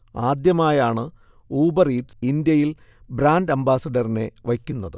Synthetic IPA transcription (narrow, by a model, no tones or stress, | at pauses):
aːd̪jɐmaːjaːɳɨ | uːbɐriːʈsind̪jɐjil | bɾaːnɖɐmbaːsɐɖɐrine̞ʋɐkʲːunːɐðɨ